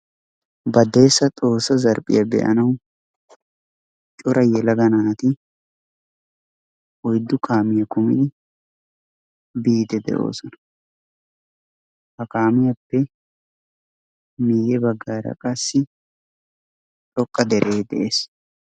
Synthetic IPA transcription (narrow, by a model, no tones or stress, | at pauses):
bɐd̪eːsːɐt̪ʼo̞ːsɐzɐɾpʼɪ̰jɐbɛ̰ʔɐ̰nɐw | t͡ʃʼʊɾʔɐjɛlɐɡɐnaːt̪ɪ | ʔɔjd̪ːʊkaːmɪjɐkʊmɪ̰d̪ɪ | biːd̪ɛd̪ɛ̰ʔo̞̰ːsɔnɐ̥ | hɐkaːmɪjɐpːɛ | miːjɛbɐɡːaːɾɐ̰kʼɐsːɪ | t͡ʃʼɔkʼːɐd̪ɛɾʔeːd̪ɛ̰ʔeːs